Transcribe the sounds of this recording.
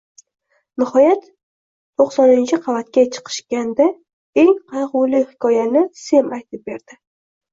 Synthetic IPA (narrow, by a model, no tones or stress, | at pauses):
nɪhɒjat̪ | tʰoqsɒnɪnt͡ʃʰɪqʰɑvat̪kʲat͡ʃʰɨ̥qʰɨ̥ʃkʲand̪a | e̞ŋqʰɑjʁʊlɪhɪ̥kʰʲɒjanɪse̞majt̪ʰɪp̚be̞ɾd̪̥ɪ